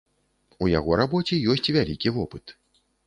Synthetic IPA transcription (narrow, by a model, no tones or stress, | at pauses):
uja̰ɣɔɾabɔt͡sʲijɔs̬ʲt͡sʲvʲalʲikʲivɔpɨt̪